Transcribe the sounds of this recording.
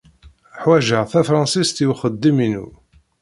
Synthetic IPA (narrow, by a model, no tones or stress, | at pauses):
ħwæʒəʁθæfɾˤɑnsist̪iwχəd̪ːiminṵ